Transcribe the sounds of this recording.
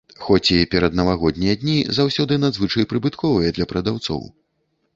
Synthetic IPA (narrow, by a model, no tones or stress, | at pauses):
xɔt͡sʲipʲɛɾɐd̪nɐvaɣɔd̪ʲnʲijɐd̪ʲnʲizawsʲɔd̪ɨnad̪zvɨt͡ʂɐjpɾɨbɨt̪kɔvɨjɛd̪lʲɐpɾɐd̪awt̪sɔ̰w